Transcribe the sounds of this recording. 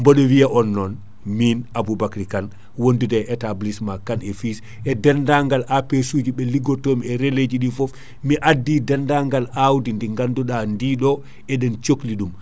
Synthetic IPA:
mbɔɗɔwijaʔɔnːɔn | minabubakɾikan | wondudɛʔɛtablismakanɛfis | ɛdɛndaŋɡalʔapesuːd͡ʒiɓɛliɡɔtoːmɛɾeled͡ʒiɗifɔf | miʔadːidɛndaŋɡalawdindiŋɡanduɗandiːɗɔ | ɛdɛnt͡ʃokliɗum

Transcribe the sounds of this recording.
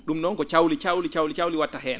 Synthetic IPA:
ɗumnɔŋkɔt͡ʃawlit͡ʃawlit͡ʃawlit͡ʃawliwatːaɦɛːna

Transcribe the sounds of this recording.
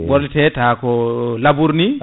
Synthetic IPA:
wɔɾlitɛtakɔlabuɾni

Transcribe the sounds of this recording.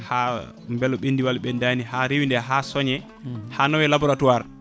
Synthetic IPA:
ha | mbɛlɔɓendiwalɓɛndanihaɾewindɛɦasɔɲɛ | hanɔwɛlabɔɾatuwaɾ

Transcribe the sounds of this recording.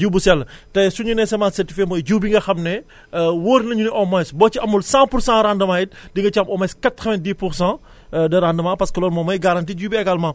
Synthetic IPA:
d͡ʒuwbusɛltɐsuɲunɛsɛmaːnsɛrtifkemɔjɟuwbiŋɡɐxɐmnɛ | woːɾnɐɲuniʔɔmɐjsbɔːt͡ʃiɐmulsãpuɾsãːɾandɐmaːjit̚diŋɡɐt͡ʃamʔɔmɐskɐtːɐʋɛ̃ndiːpuɾsã | dɐɾandɐmãːpɐskɐlɔːnmɔmɐjɡɐɾantiːɟuːbiɛɡalmãː

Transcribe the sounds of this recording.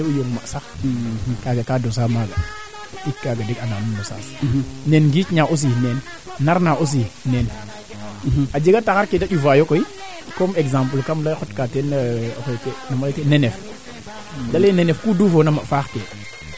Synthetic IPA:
eujoŋmaʔsak | kaɡakados̬amaɡa | ikːaɡadikanamumdosa̰snenɡit͡ʃɲaʔos̬inenː | aɾnaʔos̬inen | ad͡ʒeɡatakaɾkedaɗuvajokoi | komeɡzãmplkamlaxotkaten̰xotenamaletenenef | dalenenefkudufonamafaxte

